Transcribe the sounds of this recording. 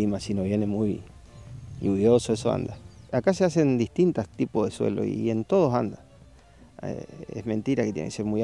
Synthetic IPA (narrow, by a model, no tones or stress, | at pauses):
imasinoβjenemuj | juβjosoesoa̰nd̪aakaseas̬end̪iht̪int̪ast̪ipohðeswḛlo̰ient̪oð̞osand̪a | ḛsmẽ̞nt̪iɾaket̪jḛḛkesemuj